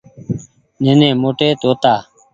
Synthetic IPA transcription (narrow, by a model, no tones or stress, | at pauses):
neːnẽːmoːʈeːt̪oːt̪aː